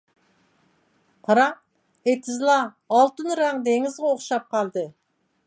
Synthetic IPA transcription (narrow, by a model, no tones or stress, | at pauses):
qʰɑɾɑ | et̪ʰɪzlˠɑː | lˠt̪ɨnɾɑŋd̪eŋɪzʁɑoχʃɑp̚qʰɑlˠd̪ɨ